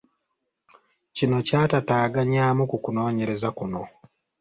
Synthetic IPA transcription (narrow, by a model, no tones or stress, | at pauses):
cino̞caːtataːɡaɲaːmukukuno̞ːɲe̞ɾe̞zakuno̞